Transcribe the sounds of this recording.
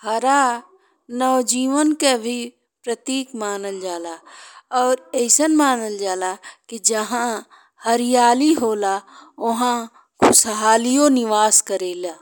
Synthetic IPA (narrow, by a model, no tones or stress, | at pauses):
hɐɾaː | nɔːd͡ʒiːʋənkebʱi | pɾət̪iːkmaːnəld͡ʒaːlaːɔːɾeːsənmaːnəld͡ʒaːlakid͡ʒɐɦã | həɾɪjaːliɦoːlaːʊɦã | kʰʊsɦaːlijõnɪʋaːskəɾeːlaː